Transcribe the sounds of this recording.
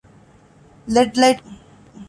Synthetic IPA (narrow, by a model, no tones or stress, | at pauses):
lɛʈlaɪʈ